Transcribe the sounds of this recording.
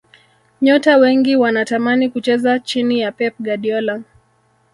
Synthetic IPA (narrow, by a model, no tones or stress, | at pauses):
ɲɔtawɛŋɡiwanatamanikut͡ʃɛzat͡ʃinijapɛp̚ɡaɗiɔla